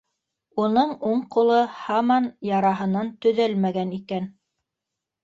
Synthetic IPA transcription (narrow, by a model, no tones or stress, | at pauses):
unɤɴuɴqulˠɤhɑmɑnjɑɾɑɦɤ̆nɑnt̪ɵ̆ðælmæɡænikæn